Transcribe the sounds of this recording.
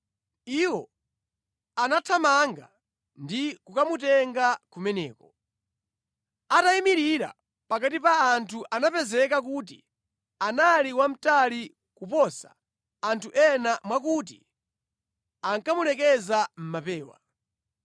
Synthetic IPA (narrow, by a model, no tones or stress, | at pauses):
iwɔ | anatʰamaŋɡa̰ | ndikukamut̬ɛŋɡakumɛnɛ̰ːkɔ | ataimiɾiɾa̰ | pakatipaːntʰuʔanapɛzɛkak̬ut̬ḭ | analiwam̩tali | kupɔsḁ̰ | antʰuʔɛnamwakut̬ḭ | aŋkamulɛkɛzam̩mapɛːwa̰